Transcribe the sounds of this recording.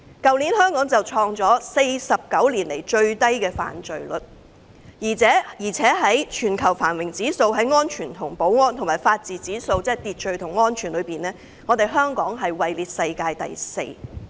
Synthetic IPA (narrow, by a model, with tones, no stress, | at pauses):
kɐ˨wliː˨˥nhœː˥ŋkɔː˨˥ŋt͡sɐ˨wt͡ʃʰɔː˧ŋt͡sɔː˨˥se˧jsɐ˨p̚kɐ˨˥wliː˨˩nle˨˩jt͡ʃɵ˧ɥt̪ɐ˥jkɛː˧fa̰ː˨˩nt͡ʃɵ˨ɥlɵ˨t̚ | jiː˨˩t͡sʰɛː˨˥jiː˨˩t͡sʰɛː˨˥ɦɐ˨˥jt͡ʃʰyː˨˩nkʰɐ˨˩wfaː˨˩nwɪ˨˩ŋt͡siː˨˥so˧wɦɐ˨˥jŋɔː˥nt͡ʃʰyː˨˩nt̪ʰʊ˨˩ŋpo˨˥wŋɔː˥nt̪ʰʊ˨˩maː˨˩jfaː˧t̚t͡siː˨t͡siː˨˥so˧wt͡sɛː˥ɛ˨˩t̪iː˨t̚t͡ʃɵ˨ɥt̪ʰʊ˨˩ŋŋɔː˥nt͡ʃʰyː˨˩nlɵ˨˧ɥpiː˨nlɛː˥ | ŋɔː˨˧t̪e˨jɦœː˥ŋkɔː˨˥ŋɦɐ˨jwɐ˨jliː˨t̚sɐ˧jkaː˧jt̪ɐ̰˨jsḛ˧j